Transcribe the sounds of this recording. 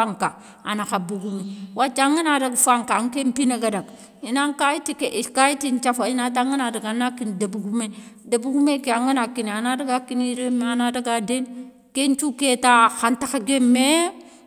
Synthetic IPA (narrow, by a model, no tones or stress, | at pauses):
aŋka | anaxabuɡumiwat͡ʃaŋinaɾaɡfaŋkaŋkempineɡadaɡ | inaŋkajitikeʔikaitint͡ʃafainataŋinadaɡanakindabuɡumedabuɡumekeaŋinakinianadaɡakiniɾemeanadaɡaden | kent͡ʃuketaxantaxaɡemːe